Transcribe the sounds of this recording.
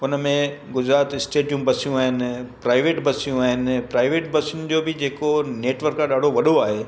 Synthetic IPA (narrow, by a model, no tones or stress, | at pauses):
ʊnəmẽɡʊd͡ʑɾaːt̪ɪsʈeːʈijũːmbɐsijũaːɦɪnɪ̆pɾaːɪʋeːʈbɐsijũaːɦɪnɪ̆pɾaːɪʋeːʈbɐsijʊnɪ̆d͡ʑoːbɪd͡ʑeːkoneːʈʋəɾkːãɗaːɖʱoʋɐɗoaːɦeː